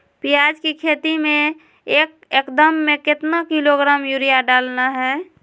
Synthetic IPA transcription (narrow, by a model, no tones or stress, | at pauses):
pijad͡ʒkikʰeːt̪imẽ | eːk̚ | ekd̪əmːẽkɪt̪nakiloɡɾaːmjuɾijaɖaːlnaɦɛː